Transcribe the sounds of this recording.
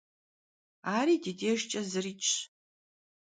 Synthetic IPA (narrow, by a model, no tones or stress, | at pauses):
aːɾiːdideːʒt͡ʃʼɐzɨriːt͡ʃʼʰ